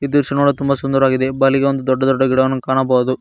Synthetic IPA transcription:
id̪iɾʂɐnuɭut̪umbɐsund̪ɐɾaːɡid̪e̞bɐliɡeond̪ud̪ɔɖːɐd̪ɔɖːɐɡiɽɐʋɐnːukaːɳɐbɐːd̪u

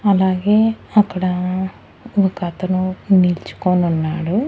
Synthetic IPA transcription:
ɐlaːɡeːɐkːɐɽɐ | ɐkɐt̪ɐnuniːlt͡ʃu̥koːnunːaːɽu

